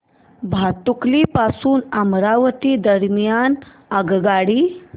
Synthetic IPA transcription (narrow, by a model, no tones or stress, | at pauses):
bʱat̪uklipasuːnamɾaʋət̪iːd̪əɾmjan | əɡɡaɽiː